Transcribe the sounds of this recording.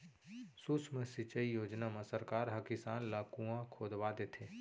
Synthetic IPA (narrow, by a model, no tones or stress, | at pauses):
susmẽsɪt͡ʃəijoːd͡ʒnamãsəɾkaːɾɦɐkisaːnlaːkũãkʰoːd̪ʋad̪et̪ʰeː